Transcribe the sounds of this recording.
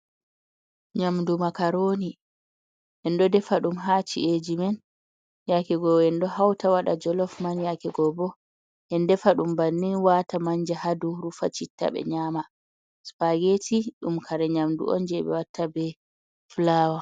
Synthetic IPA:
ɲamndumakaɾoːni | ʔɛndɔdɛfaɗumɦat͡ʃḭʔed͡ʒimɛn | jakɛɡɔɛndɔhawtawaɗa̰d͡ʒɔlɔfmanjakɛɡɔbɔ | ʔɛndɛfaɗumbanːinwatamaɲd͡ʒɛhaduɾufa̰t͡ʃitːa̰ɓɛ̰ɲaːma | spaɡetiɗumkʰaɾɛɲamdṵʔɔ̰nd͡ʒɛɓɛ̰watːabɛ | flaːwa

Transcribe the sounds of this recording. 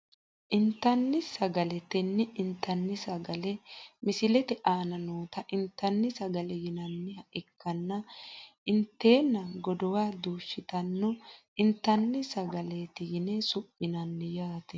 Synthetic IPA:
ʔɪnt̪ːɐnːɪsɐɡɐlɛt̪ɛnːɛʔɪnt̪ːɐnːɪsɐɡɐlɛmɪsɪlɛt̪ɛʔaːnɐnoːt̪ɐʔɪnt̪ːɐnːɪsɐɡɐlɛjɪnɐnːɪhɐʔɪkːɐnːɐʔɪnt̪ːe̞ːnːɐɡɔd̪ɔwaːd̪uːʃːɪt̪ɐnːɔ | ɪnt̪ːɐnːɪsɐɡɐleːt̪ɪjɪnesʊpʼːɪnɐnːɪjaːt̪ɛ

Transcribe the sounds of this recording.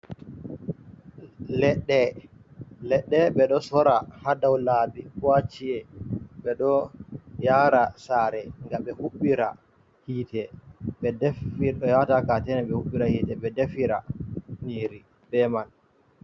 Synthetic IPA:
lɛɗːɛ | lɛɗːɛɓɛɗɔsɔɾahadawlabikɔwat͡ʃiɛɓɛɗɔjaːɾasaːɾɛŋɡaɓɛhuɓːiɾa̰ | hiːtɛɓɛdɛfiɔjatakatɛnɛɓɛhuɓːiɾahitɛɓɛdɛfiɾaniːɾi | bɛman

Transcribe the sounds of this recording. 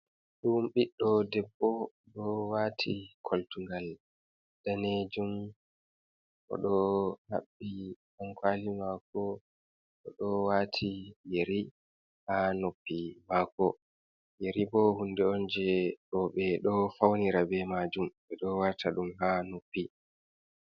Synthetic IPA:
ɗumɓiɗːɔdɛbːɔ | ɗɔwatʰikʰoltuŋɡal | d̥aned͡ʒum | ʔɔ̰ɗɔha̰ɓːihaŋkʰwalimakɔ | ɗɔɗɔwaːtʰijeɾi | hanopːimakɔ | jeɾibɔhundɛɔnd͡ʒɛɗɔɓɛɗɔfawniɾabɛmad͡ʒumɓɛɗɔwatʰaɗumhanopːi

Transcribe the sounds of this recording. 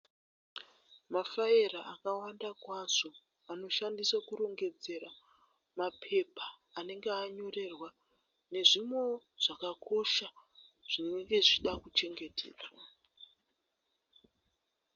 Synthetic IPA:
mafaeɾaakawandakwazo̞ | ano̞ʃandiswakuɾo̞ŋɡe̞d͡ze̞ɾa | mapʰe̞paː | ne̞ŋɡeaɲo̞re̞rwa | ne̞ʐimo̞ʐ̥akakʰo̞ʃaʐ̥inŋɡe̞ʐiɗakut͡ʃe̞ŋɡe̞tʰḛːɗa

